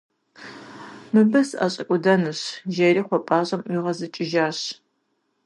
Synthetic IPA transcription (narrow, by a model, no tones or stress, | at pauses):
mɨbɐsa̰ːɕʼɐkʷʼʊdɐnɨɕʒeriːχʷɔpʼaːɕʼɐmʔʷiːʁɐzɨt͡ʃʼɪʒaːɕ